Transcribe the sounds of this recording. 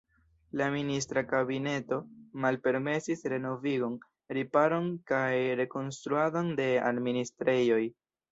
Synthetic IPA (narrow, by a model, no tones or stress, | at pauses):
laminis̬tɾakabine̞to̞malpe̞ɾme̞sisɾe̞no̞viɡo̞n | ɾipaɾo̞nkajɾe̞ko̞nstɾuado̞nde̞a̰dministɾe̞jo̞j